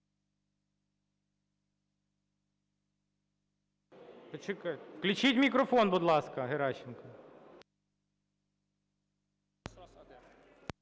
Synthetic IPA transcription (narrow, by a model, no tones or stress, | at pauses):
pɔt͡ʃɪkɑklʲʊt͡ʃitʲmʲikɾɔfɔnbʊd̪lˠɑskɐɦeɾɑɕɪnkɐ